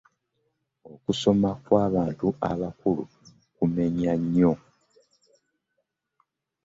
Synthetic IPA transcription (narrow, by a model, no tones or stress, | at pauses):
o̞kuso̞makwaːβaːntuʔa̰βakulṵ | kume̞ɲaɲːo̞